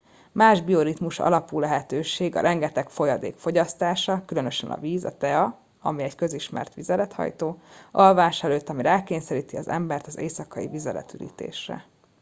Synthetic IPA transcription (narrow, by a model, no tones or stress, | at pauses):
maːʒbio̞ɾit̪muʃɒ̰lɒpuːlɛɦɛt̪øːʃeːɡɒ̰ɾʔɛŋɡɛt̪ɛkfo̞jɒd̪ḛːkfo̞ɟɒst̪aːʃɒkylø̞nø̞ʃɛnʔɒ̰viːzɒ̰t̪ɛɒ | ɒmiɛɟkø̞ziʃmɛ̰rt̪ʋizɛlɛt̪hɒ̰jt̪oːʔɒlvaːʃɛløːt̪ːɒmiɾɛlkeːɲsɛɾiːt̪iɒzɛ̰mbɛrt̪ɒzeːsɒkɒḭvizɛlɛ̰t̪yɾḭːt̪ḛːʃrɛ̰